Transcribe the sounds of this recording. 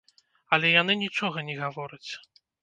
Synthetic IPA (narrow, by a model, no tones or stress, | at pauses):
ɐlʲɛjanɨnʲit͡ʂɔɣɐnʲɛɣavɔɾɨt͡sʲ